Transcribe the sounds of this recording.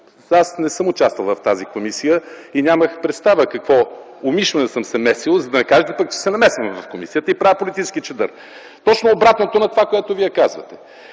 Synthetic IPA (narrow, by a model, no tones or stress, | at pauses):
asnɛsɤmʊt͡ʃast̪vəlˠvɐft̪azikomisijəinʲaməxpɾɛt̪st̪avəkɐkvɔ | ʊmiʃvɐnɛsəmsɛmɛsilˠzɐd̪ɐnɛkaʒɛt̪ɛpək̚t͡ʃɛ̥sɛnɐmɛsvɐmɛvɐfkomisijət̪əipɾavəpolit̪it͡ʃskit͡ʃɛd̪ə̰ɾ | t̪ɔt͡ʃnoːbɾat̪not̪onɐt̪ovakoɛt̪ʊvijɛkazvə̰t̪ɛ